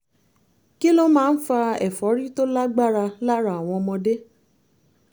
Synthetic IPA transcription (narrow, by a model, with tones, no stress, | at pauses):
ki˦lo˦mãː˦˧n̩˦fa˧ɛ˨fɔ˨˦ɾi˦to˦la˦ɡ͡ba˦˨ɾa˧la˦ɾa˨a˨w̃ɔ̃˧mɔ̃˧de˦